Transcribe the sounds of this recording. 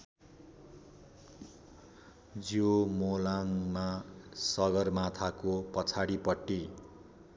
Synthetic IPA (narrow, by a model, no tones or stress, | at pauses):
d͡ziomolaŋmasʌɡʌrmat̪ʰakopʌt͡sʰaɽipʌʈːi